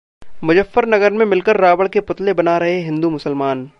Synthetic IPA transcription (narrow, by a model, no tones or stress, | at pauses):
mʊd͡ʒəfːəɾnɐɡəɾmẽmɪlkəɾːaːbəɭkepʊt̪lebɐnaɾɐɦeɦɪ̃nd̪umʊsəlmaːn